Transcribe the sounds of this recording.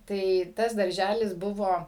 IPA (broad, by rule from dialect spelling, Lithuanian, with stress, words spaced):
tɐɪ ˈtɐs dɐrʲˈʒʲælʲɪs ˈbʊʋoː